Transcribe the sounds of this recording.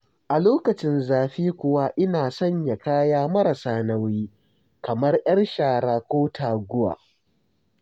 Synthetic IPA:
ʔa˨loː˦kɐ˨t͡ʃɪ˦nzaː˨ɸiː˦kʷʊ˨wa˦ʔɪ˦naː˨sɐ˦ɲja˨kaː˦jaː˦mɐ˦ɾɐ˨saː˦nɐ˦wiː˦ | kɐ˨mɐ˦rʔɐ˦rʃaː˨ɽaː˨kʷoː˦tʰaː˨ɡʷʊ˦wa̰ː˨

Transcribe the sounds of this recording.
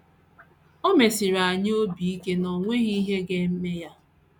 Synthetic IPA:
o˦me˨si˨ɾa˨ɲ˦o˦bi˨i˦ke˦nɔ˨ŋʷe˦ɣi˦ɦe˦ɡe˦m̩˦me˦ja˦

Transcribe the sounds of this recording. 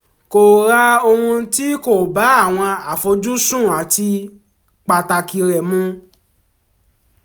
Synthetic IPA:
ko˨ɾa˦o˧hũ˧ti˦ko˨ba˨˦a˦˨w̃ɔ̃˧a˨fo˧d͡ʒu˦sũ˦˨a˨ti˧ | k͡pa˨ta˧ki˧ɾɛ˨mũ˧˦

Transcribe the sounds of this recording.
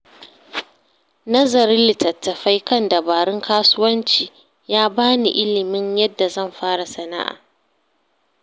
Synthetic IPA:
nɐ˦zɐ˨ɾɪ˦lɪ˨tɐ˨tːɐ˨ɸa˦jkɐ˦˨ndɐ˨baː˨ɽɪ˦ŋkʰaː˦sʊ˦wɐ˦nt͡ʃiː˨ | jaː˦baː˦nḭ˨ʔɪ˦lɪ˨mɪ˦ɲjɐ˦dːa˨zɐ˦˨mɸaː˦ɽa˨sɐ˨na̰˦ʔa̰ː˨

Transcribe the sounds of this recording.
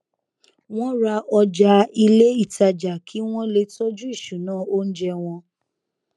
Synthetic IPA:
w̃ɔ̃˦ɾa˧ʔɔ˧d͡ʒa˧i˧le˦i˦˨ta˧d͡ʒa˨kʰi˨˦w̃ɔ̃˦le˧tɔ˦d͡ʒu˦i˦˨ʃu˨nãː˦˨o˦n̩˦d͡ʒɛ˧w̃ɔ̃˧

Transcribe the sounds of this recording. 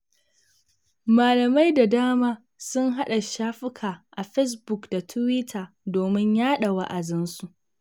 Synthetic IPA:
maː˨lɐ˨ma˦jda˨daː˦maː˦ | sʊ˦ŋɦa˦ɗa˨ʃaː˦ɸɪ˦kʰaː˨ʔa˨ɸɛ˦s̬bʊ˨kda˨tʰʊ˦wɪ˦tʰaː˨ | doː˨mɪ˦ɲjaː˦ɗa˨wa̰˦ʔa˨dɪ˦nsu˦˨ʔ

